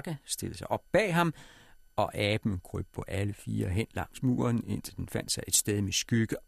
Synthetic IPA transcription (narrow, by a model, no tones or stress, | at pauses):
ɡ̥æsd̥e̝ləsɑ̈ɪʔɒ̽b̥̚ːɛ̰ːɦɑ̈mɒ̽ʔɛːb̥n̩kʰʁy̰b̥̚pʰɒ̽ʔæləfiːɐɦen̰lɑ̈ŋ̰smṵːɐne̝n̰t͡sʰe̝ld̥enfæn̰d̥sɑ̈ɪʔe̝d̥sd̥eðˠmesɡ̥yɡ̥ə